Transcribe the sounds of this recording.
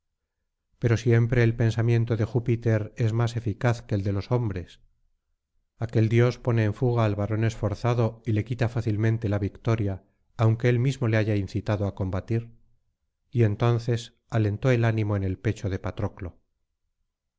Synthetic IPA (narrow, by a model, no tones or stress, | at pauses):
pe̞ɾo̞sje̞mpɾe̞ːlpe̞nsamjẽ̞nt̪oðe̞xupit̪e̞ɾe̞zmase̞fikaθke̞ld̪e̞lo̞so̞mbɾe̞s | ake̞ld̪jo̞spo̞ne̞ːɱfuɣ̞aːlβaɾo̞ne̞sfo̞ɾθaðo̞ile̞kit̪afaθilmẽnt̪e̞laβikt̪o̞ɾjaː | wŋke̞elmizmo̞le̞aʝainθit̪aðoako̞mbat̪iɾ | ie̞nt̪o̞n̟θe̞s | ale̞nt̪o̞e̞lanĩmo̞ene̞lpe̞t͡ʃo̞ðe̞pat̪ɾo̞klo̞